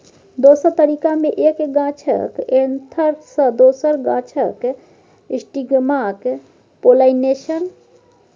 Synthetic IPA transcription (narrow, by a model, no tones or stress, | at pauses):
d̪osəɾt̪əɾikameʔekɡãt͡ʃʰə̰kent̪ʰəɾsə̃d̪osəɾɡã̰t͡ʃʰək | ĩsʈiɡmak | polaineʃən